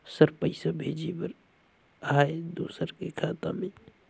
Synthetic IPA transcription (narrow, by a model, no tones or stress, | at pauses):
səɾpəɪsabʱeːd͡ʒipəɾ | aːed̪oːsəɾkekʰaːt̪ãmẽ